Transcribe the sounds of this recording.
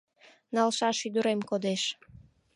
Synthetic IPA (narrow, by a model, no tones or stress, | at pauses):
nalʃaʃid̪uɾemkod̪eʃ